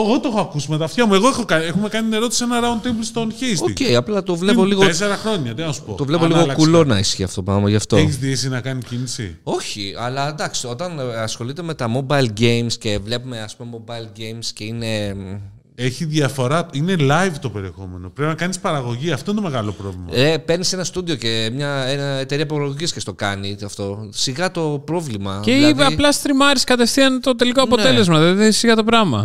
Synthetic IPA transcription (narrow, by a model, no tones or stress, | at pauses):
eɣot̪oexoɐkusimet̪ɐft̪çɐmue̞ɣoexokɐexume̞kɐnit̪ine̞ɾo̞t̪isienɐɾɐont̪imblst̪onçesoicejɐplɐt̪o̞vlepo̞liɣoes̬eɾɐxɾo̞ɲɐt̪inɐsu̥pot̪o̞vle̞poliɣolɐkulo̞nɐisçiɐft̪o̞pɾɐmɐʝɐft̪oeçizðiesinɐkɐnicinisḭo̞çiɐlɐd̪ɐksio̞t̪ɐnɐsxo̞lit̪e̞me̞t̪ɐmo̞bɐilɡejmsce̞vle̞pume̞ɐspume̞mo̞bɐilɟejmsce̞ine̞ | eçiðjɐfo̞ɾɐine̞lɐjvt̪o̞pe̞ɾie̞xo̞me̞noppɾepinɐkɐnispɐɾɐɣo̞ʝiɐft̪o̞int̪ome̞ɣɐlopɾovlimmɐepe̞ɾnise̞nɐst̪uðio̞ce̞mɲɐenɐet̪e̞ɾiɐp̬oloɣoʝiscest̪okɐnitɐft̪o̞siɣɐt̪o̞pɾo̞vlimɐceiɐplɐst̪ɾimɐɾiskɐt̪e̞fθiɐnt̪o̞t̪e̞likoɐnpo̞e̞le̞zmɐððisiɣɐt̪o̞pɾɐmɐ